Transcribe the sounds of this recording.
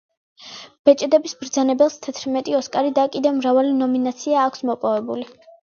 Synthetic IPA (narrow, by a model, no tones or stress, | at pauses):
b̥ɛt͡ʃʼɛd̪ɛbisbɾd̪zanɛbɛlˠst̪ʰɛt̪ʰɾmɛt̪ʼiɔskʼaɾid̪akʼid̪ɛvmɾavalinɔminat̪sʰiaːkʰʷsmɔpʼɔvɛbuli